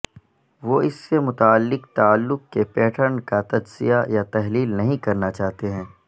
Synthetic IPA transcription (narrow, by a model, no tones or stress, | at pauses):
ʋoɪsːemʊt̪aːəlːɪkt̪aːlːʊkkepɛːʈʰəɾnkat̪ɐd͡ʒzijajat̪ɐɦliːlnɐɦĩkɐɾnat͡ʃaːɦt̪eɦɛ̃ː